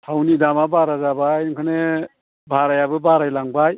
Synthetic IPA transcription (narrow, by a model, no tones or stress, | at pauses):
hawnidamabaɾazabajŋkʰɯne | bʱaɾajabɯbaɾajlaŋbaj